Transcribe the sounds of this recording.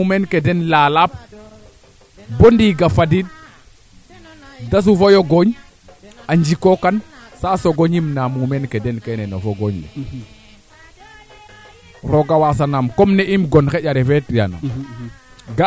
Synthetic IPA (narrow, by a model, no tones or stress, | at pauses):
umenkedɛnlaːlap̚ | bondiɡafadid̚ | das̬ufojoɡoɲ | aɲd͡ʒikokansaːsoɡoɲimnamumenkɛdɛnkɛnɛnɔfoɡoɲlḭ | ɾoɡawas̬anamkɔmneʔimɡɔnxɛɟaɾɛfɛtja̰na̰ | ɡa